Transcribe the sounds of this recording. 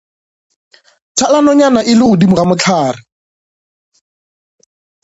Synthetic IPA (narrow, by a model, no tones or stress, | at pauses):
tʰalanɔɲanaʔɪlɪɣʊdimʊramʊt͡ɬʰaːrɪ